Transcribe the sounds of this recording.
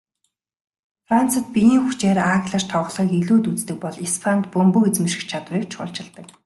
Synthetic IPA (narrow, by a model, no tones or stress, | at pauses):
fran̥t͡sə̆t̪̚pijiːŋxut͡ɕeːɾaxʲɮə̆rt̪ʰɔwʁ̆ɮʁiːkiɮuːt̪ut͡st̪ɘ̆k̚pɔɮispʰant̪pɵmpuxit͡smɘ̆ʃɪ̆xt͡ɕʰat̪wiːkt͡ɕχʊ̰ːɮt͡ɕɪ̆ɮt̪ə̆k